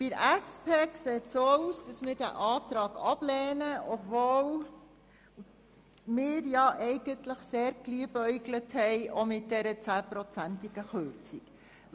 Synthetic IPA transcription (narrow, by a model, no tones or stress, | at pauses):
b̥ɪɾæspʰeːkseːtsouːsd̥ɑsmɪːɾdæ̰ʔɑːtɾɑːɡɑb̥lɛːnəɔbvoːl | mɪːɾjɑʔɛɪɡ̥əntləχseːɾkliəbœʏɡləthɛjʔomɪt̚d̥ɛɾət͡sæːpɾɔt͡sæntiɡ̥əxøɾt͡sik